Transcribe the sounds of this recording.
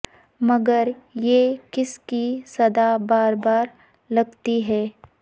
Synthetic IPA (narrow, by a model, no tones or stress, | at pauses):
mɐɡəɾjekɪskisɐd̪abaːɾbaːɾ | lɐɡt̪iɦɛː